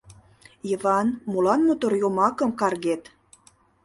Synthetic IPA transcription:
jəvɑnmulɑnmut̪orjomɑkə̆mkɑrɣet̪

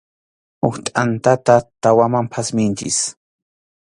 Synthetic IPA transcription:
ʊht̪ʼant̪at̪at̪awamampʰasmɪnt͡ʃɪ̰s

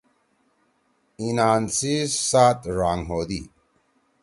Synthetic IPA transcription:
inaːnsiːsaːt̪ɾaːŋɦoːd̪iː

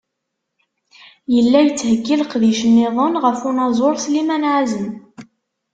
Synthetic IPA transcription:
jəlːæjət͡sːhəɡːilqðiʃənːiðˤənʁəfunɑzˤoɾˤslimænʕazən

